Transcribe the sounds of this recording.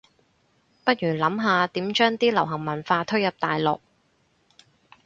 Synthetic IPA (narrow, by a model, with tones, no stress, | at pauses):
pɐ˥t̚jyː˨˩lɐ˨˥mɦaː˧t̪iː˨˥mt͡ʃœː˥ŋt̪iː˥lɐ˨˩wɦɐ˨˩ŋmɐ˨˩nfaː˧t̪ʰɵ˥ɥjɐ˨p̚t̪aː˨jlɔ̰ː˨k̚